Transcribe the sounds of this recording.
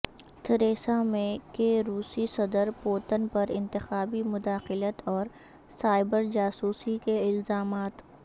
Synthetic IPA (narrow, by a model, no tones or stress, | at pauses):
t̪əɾeːsamẽkeɾuːsisɐd̪əɾpoːt̪ənpɐɾɪ̃nt̪ɪxaːbimʊd̪aːxɪlət̪ɔːɾ | saːɪbəɾd͡ʒaːsuːsikeɪlzaːmaːt̪